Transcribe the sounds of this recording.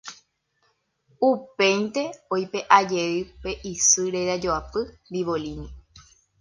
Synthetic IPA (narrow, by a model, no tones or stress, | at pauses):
upẽ̞jnt̪e̞ojpe̞ʔad͡ʒeɨpe̞ʔisɨɾeɾad͡ʒoapɨnd̪iʋolinĩ